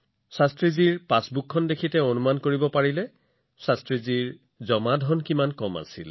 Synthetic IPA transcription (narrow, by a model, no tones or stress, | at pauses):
sastɹiziɹpasbukʰːɔndekʰitɛonumankoɹibɔpaɹilɛ | sastɹiziɹ | zɔmadʱɔnkimankɔma̰sḭl